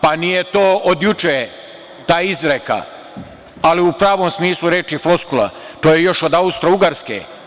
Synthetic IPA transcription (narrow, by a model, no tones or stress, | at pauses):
panijet̪oːod̪jut͡ʃe | t̪aːizɾeka̰ | aliupɾaːʋoːmsmiːslˠuɾeːt͡ʃiflo̞skula̰ | t̪oːjejo̞ʃo̞d̪aust̪ɾouɡaɾskḛː